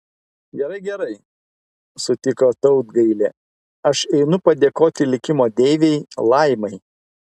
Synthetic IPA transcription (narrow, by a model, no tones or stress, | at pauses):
ɡʲɛɾɐɪɡʲɛɾɐɪ | sʊt̪ʲɪkoːt̪ɒʊd̪ɡɐɪlʲeː | ɐʃɛɪnʊpɐd̪ʲeːkoːt̪ʲɪlʲɪkʲɪmoːd̪ʲeːʋʲeɪlˠɐɪmɐɪ